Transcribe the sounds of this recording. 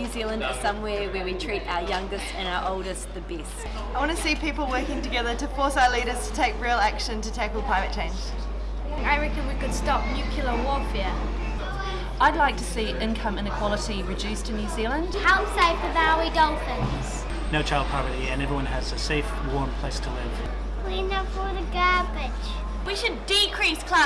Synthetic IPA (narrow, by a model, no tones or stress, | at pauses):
ʉːzilˠə̃ndətsʌ̃mwɛːwəwitʰɹ̥iˑtaʊəjʌ̃ŋɡɨstə̃ñaʊəʔoʊlˠdəsðɨbist | aɪwɑ̃nəsiːpiˑpl̩ˠwɜˑkɪ̃ŋtəɡɛðətəfɔˑsaʊəliːɾəz̥tʰə̥tʰeɪkɹilˠækʃə̃ntətʰeɪkɔlˠpʰɹ̥aɪvɨt̚t͡ʃʰẽɪ̃nd͡ʒ̥ | aɪɹɪkə̃nwikɨd̥stɒp̚njʉˑkʰjl̩ˠəwɔfɪə | ʔaɪdˡlaɪk̚tʰəsiːʔɪ̃nkʰʌ̃mɨ̃nɨkʰw̥ɒlˠəɾiɹɨd͡ʒʉˑstʰɨ̃njʉːzilə̃nd̥haʊseɪfəðaidʌlˠfə̃nz̥ | noʊt͡ʃʰaɪlˠd̚pʰɹɑvəɾiɨ̃nɛvɹiwʌ̃nəzəseɪfwɔɹmpʰl̥eɪstʰəlɪv̥ | inəfɔðəɡɜːbɪd̥ʒ̥ | wiʃɨdɪkʰɹ̥iˑskʰl̥a